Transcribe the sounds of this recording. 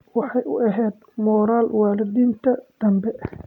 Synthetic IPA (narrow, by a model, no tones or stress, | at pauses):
wɑħɑjʔʊ̰ʔɐɦɛːd̪̚mɔːɾaːlwaːlɪd̪iːnt̪ʰɐd̪̥ɐmbɛ